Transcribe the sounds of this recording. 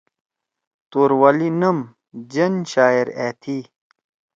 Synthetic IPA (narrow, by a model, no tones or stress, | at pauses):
t̪uːɾwɐlinɐm | d͡ʑɐnɕaːeɾeːt̪ʰi